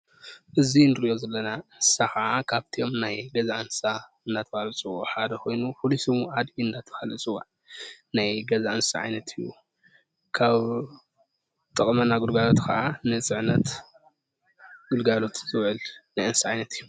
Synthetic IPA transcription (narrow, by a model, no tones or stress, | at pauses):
ʔɨzinɨɾiʔo̞zɐlːɐnaɨnsaxɐʔakʰaβt̪ʰio̞mnajɡɐzaʔɨnsa | ɨnd̪at̪ʰɐhalɨt͡sʼɨwuʕʔħad̪ɐkʰo̞jnuxulusɨmuʔad̪iɨnd̪at̪ʰɐ̥falɨt͡sʼɨwa̰ʕ | najɡɐzaʔɨnsa̰ʕa̰jnɐt̪ʰɨjːṵ | kʰaβ | t̪ʼɐkʼmɐnaɡulɡalo̞t̪kʰɐ̰ʔanɨt͡sʼɨʕnɐt̪ | ɡ̥ulɡalo̞t̪z̥ɨβʕɨlnajɨnsaʕajnɐt̪ʰɨjːu